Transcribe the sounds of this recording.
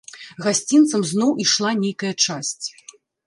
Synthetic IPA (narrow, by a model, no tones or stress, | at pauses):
ɣasʲt͡sʲint̪sɐmznɔwʔiʂlˠanʲejkɐjɐt͡ʂasʲt͡sʲ